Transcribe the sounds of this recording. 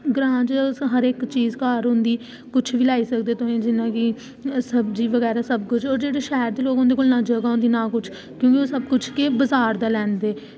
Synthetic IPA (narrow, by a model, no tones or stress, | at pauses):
ɡɾãːt͡ʃɦəɾɪːkt͡ʃiːzkaːɾɦʊ̃nd̪iː | kʊt͡ʃʰʋiːlaːiːsəkd̪eːt̪oẽːd͡ʒɪnãːkɪ | səbd͡ʒiːʋəɡɛːɾaːsəb̚kʊt͡ʃʰɔːɾd͡ʒeːɽeːʃaːɾd̪eːloːkʊ̃nd̪eːkoːlnaːd͡ʒəɡaːɦʊ̃nd̪iːnaːkʊt͡ʃʰ | kjõːkioːsəb̚kʊt͡ʃʰkebəzaːɾd̪aːlɛ̃ːnd̪eː